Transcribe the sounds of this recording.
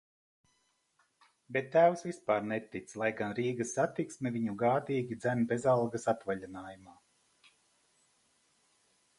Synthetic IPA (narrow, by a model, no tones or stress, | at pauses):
bet̪ːæwsvispaːɾnet̪it̪slˠajɡanɾiːɡɐsːat̪iksmɛviɲuɡaːd̪iːɡʲid̪zæmbezalˠɡasat̪vaʎʲinaːjumaː